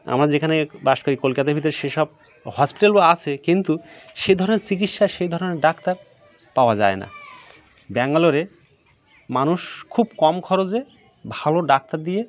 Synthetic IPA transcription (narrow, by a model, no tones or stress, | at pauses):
a̰mɾad͡ʑekʰanebaʃkoɾikolkat̪abʱit̪̬oɾʃeʃɔb̚ | hɔspiʈalbaat͡ɕʰekint̪uʃejd̪ʱɔɾoneɾt͡ɕik̬itʃaʃejd̪ʱɔɾoneɾɖakt̪aɾ | paoad͡ʑaena̰ | bɛŋaloɾe | manuʃkʰubkɔmkʰɔɾod͡ʑe | bʱaloɖak̚t̪aɾd̪ie